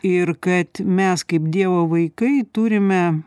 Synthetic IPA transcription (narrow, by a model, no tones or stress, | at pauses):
ɪɾkɐt̪mʲɛskɐɪpd̪ʲiɛʋoːʋɐɪkɐɪt̪uːɾʲɪmʲɛ